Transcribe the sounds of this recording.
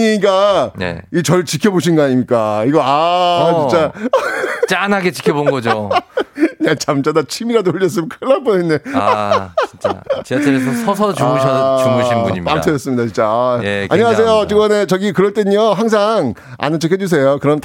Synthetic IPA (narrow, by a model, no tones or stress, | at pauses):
ik͈anḛit͡ɕʌɭt͡ɕikʰjʌboɕ̬ʰinɡʌaɲimɲik͈aiɡʌat͡ɕit͡ɕ͈a | t͡ɕanaɡet͡ɕi̥kʰjʌbonɡʌd͡ʑo | ɲat͡ɕamt͡ɕadat͡ɕʰimiɾadooʎːʌs͈ɯmkʰaɭːap͈oenːe | it͡ɕat͡ɕt͡ɕeesʰʌsʰʌs̬ʰʌumuɕʰʌumuɕʰiuɲpamtʰʌd͡ʑʌs͈ɯmɲidat͡ɕint͡ɕ͈aa̰ɲʌwasʰe̞jot͡ɕiɡʌne̞t͡ɕʌɡikɯɾʌɭt͈eɲʌɦaŋs̬ʰaŋ | a̰nɯt͡ɕʰʌkɦʰed͡ʑus̬ʰe̞jokɯɾʌnt